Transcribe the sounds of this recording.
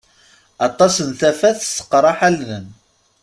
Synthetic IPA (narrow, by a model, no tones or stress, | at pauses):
ɑt̪ˤɑsənθæfæθsə̥qːɾˤɑħalnən